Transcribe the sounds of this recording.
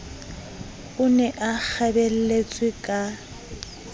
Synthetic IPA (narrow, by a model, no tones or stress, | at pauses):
ʊnɛʔak͡xʰabɛl̩let͡sʼwɪkʼa